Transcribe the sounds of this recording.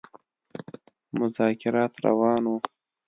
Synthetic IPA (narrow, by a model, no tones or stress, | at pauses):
mʊzɑːkɪɾɑːt̪ɾa̰wɑːnwu